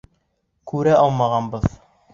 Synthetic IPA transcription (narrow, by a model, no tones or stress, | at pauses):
kʉɾæʔɑlˠmɑʁɑnbɤð